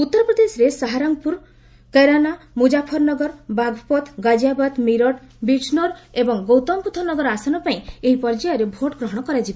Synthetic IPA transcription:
ut̪ːɔɾɔpɾɔd̪esɔɾesaɦaɾaŋpuɾ | keɾanamud͡ʒapʰɔɾnɔɡɔɾbaɡʱɔpɔt̪ʰɡad͡ʒabad̪miɾɔʈ | biʈʰnɔɾebɔŋɡowt̪ɔmput̪ʰɔnɔɡɔɾasanɔpaĩeɦipɔɾd͡ʒajɔɾebʱoʈɔɡɾɔɦɔɽ̃ɔkɔɾad͡ʒiba

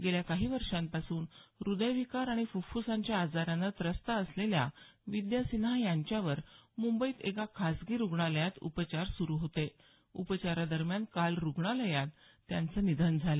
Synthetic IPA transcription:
ɡeljakaɦiːʋəɾʂãmpasuːnɾud̪əjʋikaɾaɽ̃ifufusãɲt͡ɕjaːd͡zaɾanət̪ɾəst̪aəslelja̰ʋid̪jasinɦajaɲt͡ɕjaʋəɾmumbəiːt̪ekakʰasɡiːɾuɡɳaləjat̪ṵpət͡ɕaɾsuɾuːɦot̪e | upət͡ɕaɾad̪əɾmjankalɾuɡɳaləjat̪ː | jant͡sənid̪ʱənd͡zʱale

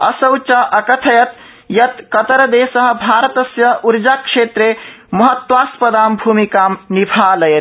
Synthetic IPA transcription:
ɐsəwt͡ʃaʔɐkət̪ʰəjət̪ | jɐt̪kət̪əɾd̪esəɦə̆bʱaɾət̪əsjəʔuɾd͡ʒakʂet̪ɾe | mɐɦət̪waspəd̪ambʱumikamnibʱaləjt̪

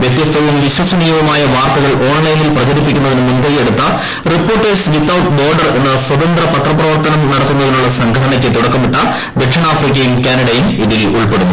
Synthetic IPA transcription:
ʋjet̪jɐst̪ʰɐʋumʋiɕwɐsɐnijɐʋɐmaːjɐʋaːrt̪ɐɣɐɭo̞ːɳlɐjnilprɐt͡ɕɐɾip̬ːikʲːunːɐðinumunbɐijeɽut̪ːɐ | ripːo̞ːrʈːesʋit̪ːɐwt̪boːrɖɐre̞nːɐswɐd̪ɐnd̪rɐpɐt̪rɐpːrɐʋɐrt̪ɐnɐmnɐɽɐt̪ːunːɐðinuɭːɐsɐŋɡʰʱɐɽɐnɐkʲːɨt̪uɽɐkːɐmuʈːɐ | d̪ekʂɐɳaːfrik̬ʲːɐjumkʲaːnɐɽɐjumid̪iɣiʔuɭpe̞ɽunː

